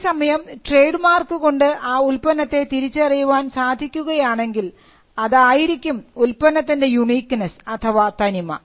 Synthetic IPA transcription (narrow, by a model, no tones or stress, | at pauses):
sɐmɐjɐmʈre̞ːɖmaːrkɨko̞ɳɖɨʔaːulpɐnːɐt̪ːe̞t̪iɾit͡ɕːɨɐrijuʋaːnsaːd̪ʱikʲːuɣɐjaːɳe̞ŋɡil | ɐðaːjiɾikʲːumulpɐnːɐt̪ːinde̞juɳiːkːnɐsɐt̪ʰɐʋat̪ɐnimɐ̰